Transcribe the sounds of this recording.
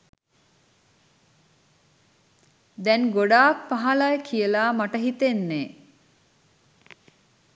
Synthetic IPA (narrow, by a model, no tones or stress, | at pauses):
d̪ɛnɡoɖaːk̚paɦalajkʰiəlaːmaʈəɦit̪enːeː